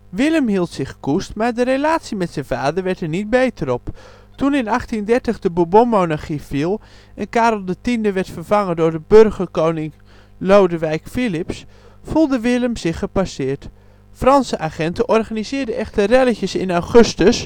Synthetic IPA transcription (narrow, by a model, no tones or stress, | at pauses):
ʋɪləmɦilˠtsɪχkustmaːɹdərelaːtsimɛtsɛnvaːdərʋɛɹtəɹnit̚bejtəɾɔp | tunɪnɑχtindɛɹtəχdəbubomownaɹχifilˠ | ɛnkaːɾl̩ˠdətindəʋɛrtfərvɑŋəndʊːɹdəbørχərkownɪŋ | lowdəʋɛjkfilɪpsfulˠdəʋɪləmzɪχəpasɪːɹt | frɑnsəʔaːχɛntəʔɔrχaːnizɪːdəʔɛχtərɛləçəsɪnawχɵstəs